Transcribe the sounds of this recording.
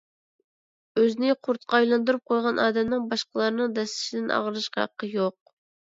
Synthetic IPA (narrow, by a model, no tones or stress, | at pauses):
øznɪqʰʊɾt̪qʰɑɑjlˠɑnd̪uɾup̚qʰojʁɑnʔɑːd̪ɛmnɪŋbɑʃqəlˠɑɾnɨŋd̪ɛslɪ̥ʃid̪ɪnʔɑ̰ʁəɾɨʃqɑ̰qʰːəjoq̚